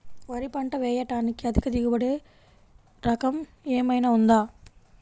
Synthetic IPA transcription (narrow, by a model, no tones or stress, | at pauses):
ʋɐɾipɐɳʈɐʋeːjɐʈːaːnikːiɐðikɐd̪iɣɯbɐɽeː | ɾɐkɐm | eːmɐjnɐund̪aː